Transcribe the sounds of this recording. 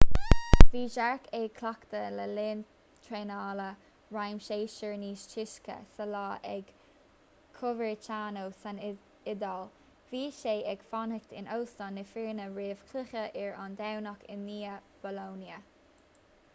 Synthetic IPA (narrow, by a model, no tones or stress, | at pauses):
viːʒaɹkeːkʰlakt̪ələlɪːn | t̪ʰɹeːnaːlə | ɹajmʃeːʃɪɹniːʃt͡ʃʰɪʃkə̰səlɑːʔɛ̰ɡ | kʰʊvəɹt͡ʃaːnowsan | ɪd̪al | viːʃeːɛɡ̥fɔnəkt̪ɪ̰nowst̪ɔnːɪfɪɹnəɹeːv̥kʰlɪxəʔɪɹand̪awnakɪ̰nːiːəb̥ɔloːnjə